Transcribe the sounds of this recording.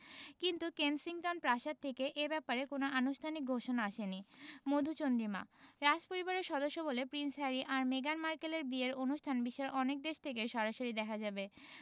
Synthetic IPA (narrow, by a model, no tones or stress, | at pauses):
kint̪ukensiŋʈonpɾaʃatt̪ʰekeʔebɛpaɾekonoʔanuʃt̪ʰanik̚ɡʱoʃonaaʃenimod̪ʱut͡ɕond̪ɾima̰ɾad͡ʑpoɾibaɾeɾʃɔd̪oʃːobolepɾinsɦɛɾiʔaɾmeɡanmaɾkeleɾbieɾonuʃt̪ʰanbiʃaɾʔɔnek̚d̪eʃt̪ʰekeʃɔɾaʃoɾid̪ɛkʰad͡ʑabe